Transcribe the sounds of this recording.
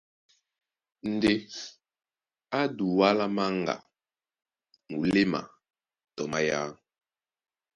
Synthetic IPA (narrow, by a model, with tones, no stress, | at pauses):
n̩˨de˦ | a˦du˨wa˦la˦ma˦ŋɡa̰˨ | mu˨le˦ma̰˨ | tɔ˨ma˦ja˦